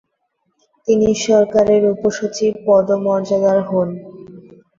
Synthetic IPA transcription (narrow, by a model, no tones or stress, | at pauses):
t̪iniʃɔɾkaɾeɾupoʃut͡ɕib̚pɔd̪omɔɾd͡ʑad̪aɾɦɔn